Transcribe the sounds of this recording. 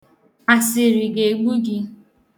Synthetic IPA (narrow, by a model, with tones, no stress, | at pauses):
a˨sɪ˨ɾi˨ɡe˨ɡ͡bu˦ɡɪ˦